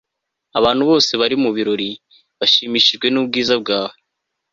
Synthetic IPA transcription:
aβaːnhuβo̞ːse̞βaɾimuβiɾo̞ɾi | βaʃiːmiʃiʒɡwe̞nuːb̚ɡiːzab̚ɡaːwo

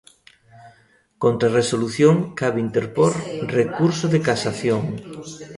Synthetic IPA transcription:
kont̪ɾaresoluθjoŋkaβint̪eɾpoɾrekuɾsoðekasaθjoŋ

